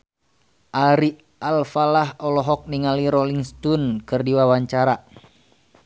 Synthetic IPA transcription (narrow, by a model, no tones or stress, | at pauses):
ʔaɾi | alfalaɦɔlɔɦɔk̚niŋaliɾɔliŋst̪unkɨrdiwawaɲt͡ʃaɾa